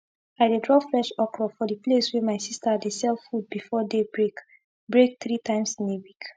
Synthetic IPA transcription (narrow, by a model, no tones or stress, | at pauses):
aɪdedɹɔfɹɛʃɔkɹɔfɔdipleswɛmaɪsistədesɛlˠfud̚bifɔdebɹek | bɹek̚θɹitʰãɪ̃msĩnewik